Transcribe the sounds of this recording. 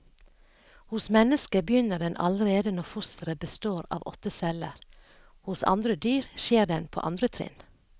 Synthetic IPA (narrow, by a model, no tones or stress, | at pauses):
hʊsmɛnəskəbəjʏnəɖɛnʔɑ̰lɾeːd̪ənɔfʊst̪əɾəbəst̪oːɾɑ̰ːʋɔ̰t̪əsɛləɾ | hʊsɑ̰nd̪ɾəd̪yːɾʃeːd̪ɛnpʰo̰ːʔɑ̰nd̪ɾət̪ʰɾɪ̰n